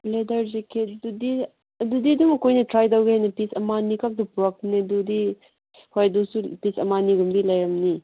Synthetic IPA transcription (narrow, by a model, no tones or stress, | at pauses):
ledɐɾzekʰedudi | ɐdudidumɐkojnɐtɾajdawɡeɦajnɐpisɐmanikak̚dupuɾak̚nedudi | hojɐdusupisɐmaniɡumdilɐjɾɐmni